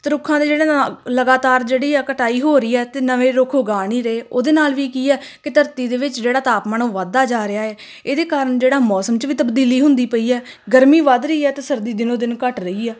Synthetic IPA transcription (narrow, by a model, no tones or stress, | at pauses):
t̪ɾʊkʰːãːd̪eːd͡ʒeːɽenləɡaːt̪aːɾd͡ʒeːɽiːaːkəʈaːiːɦoːɾiːɛːt̪eːnəʋẽːɾʊkʰʊɡaːniːɾəeːoːd̪eːnaːlʋiːkiːɛːkɪt̪əɾt̪iːd̪eːʋɪt͡ʃd͡ʒeːɽaːt̪aːpməɳõːʋaːd̪ːaːd͡ʒaːɾɪaːɛː | eːd̪eːkaːɾəɳd͡ʒeːɽaːmɔːsəmt͡ʃʋiːt̪əbd̪iːliːɦʊ̃nd̪iːpəiːɛː | ɡəɾmiːʋad̪ɾəiːɛːt̪eːsəɾd̪iːd̪ɪnõːd̪ɪnkəʈɾəiːɛː